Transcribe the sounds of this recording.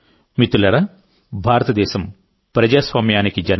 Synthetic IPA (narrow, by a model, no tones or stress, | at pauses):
mit̪ulɐɾɐ | bʱaːɾɐt̪ɐd̪ɛːʃɐm | pɾɐd͡ʒaːsʋaːmjaːnikid͡ʒɐn